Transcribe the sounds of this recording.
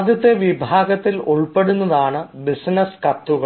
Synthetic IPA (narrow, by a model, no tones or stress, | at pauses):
d̪jɐt̪ːeʋibʱaːɡɐt̪ːiluɭpeɽunːɐðaːɳɨbisnɐskɐt̪ːuɣɐ